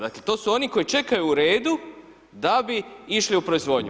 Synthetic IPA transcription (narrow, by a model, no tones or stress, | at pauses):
d̪akle̞t̪o̞ːsuo̞niko̞jit͡ʃe̞kajuːɾe̞ːd̪u | d̪abiiʃliupɾo̞izʋo̞ːd̪ɲu